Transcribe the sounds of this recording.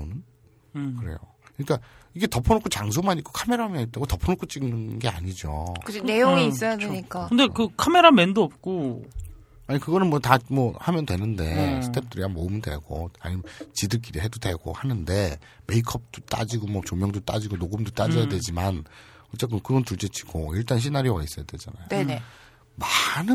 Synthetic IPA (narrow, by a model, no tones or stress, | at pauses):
onɯn | kɯɾe̞̰jo | kɯɲik͈aiɡe̞tʌpʰonokʰot͡ɕaŋs̬ʰomaɲik͈o̥kʰame̞ɾamenit͈aɡotʌpʰonokʰot͡ɕ͈iɡnɯnɡe̞aɲid͡ʑoɯnejoŋiis͈ʌjaadeɲik͈aɯnde̞kɯkʰame̞ɾamendoʌp̚k͈o | aɲikɯɡʌnɯnmwʌtamʌhamjʌndwe̞nɯnde̞sʰɯ̥tʰe̞p̚t͈ɯɾianmoumɯndwe̞̰ɡo̰a̰ɲimnt͡ɕidɯk̬͈iɾiɦe̞dodwe̞ɡ̥o̰hanɯnde̞ | me̞ikʰʌp̚t͈o̥t͈a̰d͡ʑiɡomʌt͡ɕomjʌŋdot͈a̰d͡ʑiɡonoɡɯmdot͈ad͡ʑʌjadwe̞d͡ʑiman | ʌt͡ɕ͈ek͈ɯnkɯɡʌntuɭt͡ɕ͈et͡ɕʰi̥ɡoiɭt͈anɕ̬ʰinaɾiwais͈ʌjadwe̞d͡ʑana̰joene | manɯ